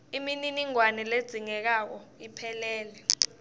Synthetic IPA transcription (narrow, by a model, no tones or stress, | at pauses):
imininiŋwanɛled̥z̥ʱiŋɛk̬ak̬ɔipʰɛlɛːlɛ